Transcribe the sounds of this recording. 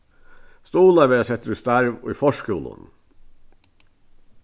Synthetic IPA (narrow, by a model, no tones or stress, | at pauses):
st̪uːlɑʋeːsɛt̪ːəɾʉst̪æɾʋɔ̰iːfɔʂkuːlə̰n